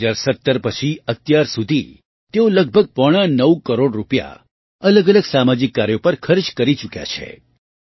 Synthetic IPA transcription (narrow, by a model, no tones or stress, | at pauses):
d͡ʒaɾsət̪ːəɾpət͡ʃʰiət̪jaɾsud̪ʱi | t̪eoləɡ̚bʱəɡ̚pɔɽ̃anəwkəɾoɖɾupja̰ | ələɡələɡsamad͡ʒikːaɾjopəɾkʰəɾt͡ʃkəɾit͡ʃukja̰t͡ʃʰḛ